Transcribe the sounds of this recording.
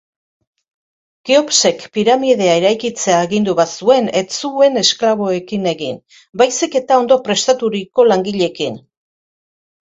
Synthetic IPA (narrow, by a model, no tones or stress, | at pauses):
kio̞pse̞kpiɾamiðe̞aeɾajkit͡se̞aːɣind̪uβasue̞ne̞t͡sue̞ne̞sklaβ̞o̞e̞kine̞ɣin | bajsike̞t̪ao̞nd̪o̞pɾe̞st̪at̪uɾiko̞laŋɡiʎe̞kin